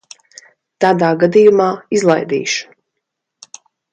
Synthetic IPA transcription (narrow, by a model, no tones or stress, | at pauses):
t̪aːd̪aːɡad̪ijumaːizlˠajd̪ḭːʃu̥